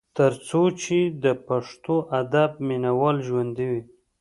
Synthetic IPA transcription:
t̪əɾt͡sot͡ʃed̪əpaʂt̪oʔad̪ab̚minawɑlʒwand̪iwi

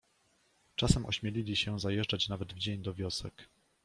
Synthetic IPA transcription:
t͡ʂasɛmʔɔ̰ɕmʲjelʲilʲiɕɛzajɛʐd͡ʐat͡ɕnavɛd̪vd͡ʑeɲd̪ɔvʲjɔsɛk

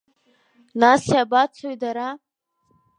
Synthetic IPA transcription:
nasjabat͡sʷʰoɥdaɾa

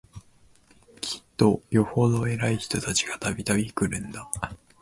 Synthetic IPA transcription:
kʲʰi̥t̪ːo̞jo̞ho̞d̪o̞e̞ɾaiçi̥t̪o̞t̪at͡ɕi̥ɡ̥at̪abʲit̪abʲikɯ̟ɾɯ̟̃nd̪a

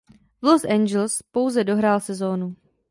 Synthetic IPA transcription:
vlosʔɛnd͡ʒɛlspo̞wzɛdo̞ɦɾaːlsɛzo̞ːnu

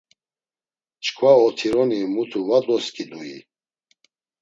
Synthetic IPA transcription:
t͡ʃkʰvaɔt̪ʰiɾɔnimut̪ʰuvad̪ɔskʰʼid̪ui

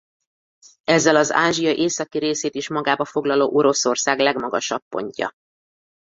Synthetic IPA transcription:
ɛzːɛlɒzaːʒijɒʔeːsɒkiɾeːseːt̪iʃmɒɡaːbɒfo̞ɡlɒloːʔo̞ɾo̞so̞rsaːɡlɛɡmɒɡɒʃɒpːo̞̰ɲcɒ̰

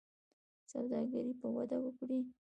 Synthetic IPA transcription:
sawd̪ɑɡaɾipəwa̰d̪awəkɽi

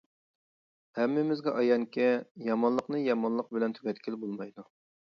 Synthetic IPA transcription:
hɛmːɪmɪzɡʲɛʔɑjɑŋkʲɛjɑmɑnlˠəqnɨjɑmɑnlˠəq̚bɪlɛnt̪ʰyɡʲɛt̪kʲʰɪlbolˠmɑjd̪u

